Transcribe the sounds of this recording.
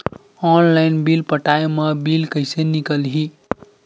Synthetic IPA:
ɔnlaɪnbilpəʈaemʌbilkəjsenikəlɦi

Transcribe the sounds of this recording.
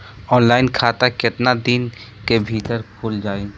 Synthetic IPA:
ɔːnlaːɪnkʰaːt̪akɪt̪nad̪inkebʱiːt̪əɾkʰʊːld͡ʒaːi

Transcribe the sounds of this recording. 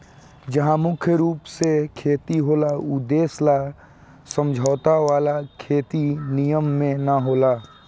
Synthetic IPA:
d͡ʒɐɦãmʊkʰjəɾuːpsekʰeːt̪iɦoːlaʊd̪eːsla | sə̃md͡ʒʱaːt̪aʋaːlakʰeːt̪inijəmːẽnaɦoːlaː

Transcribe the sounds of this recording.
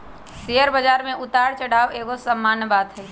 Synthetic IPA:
sejəɾbəd͡ʒaːɾmẽʔʊt̪aːɽt͡ʃəɽ̤aːʋeːɡosəmːaːnəbaːd̪ɦɛː

